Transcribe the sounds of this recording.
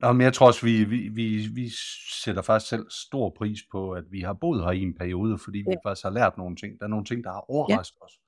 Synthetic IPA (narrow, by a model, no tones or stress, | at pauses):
nɒmenjɑ̈ɪt͡sʰʁo̝ɐɒ̽sʋiʋiʋiʋiseɾ̥ɐfɑ̈ɡ̥i̥sɡ̥sel̰sd̥o̝ɐ̰pʰʁḭːspʰɒ̽æd̥ʋihɑ̈b̥o̝̰ðˠhɑie̝npʰæɐio̝ːð̞ˠəfɒ̽d̥ḭːifɑ̈ɡ̥i̥sɡ̥hɑ̈læɐ̰d̥no̝ːn̩t͡sʰe̝ŋ̰d̥ɑ̈ːɐno̝ːn̩t͡sʰe̝ŋ̰d̥ɑ̈hɑ̈ʔɒʊɐʁsɡ̥ð̩ˠɒ̽s